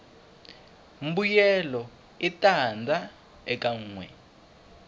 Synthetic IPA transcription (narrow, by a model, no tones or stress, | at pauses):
m̩bujɛlɔ | itand͡zʱa | ɛkaŋ̩ːŋwɛ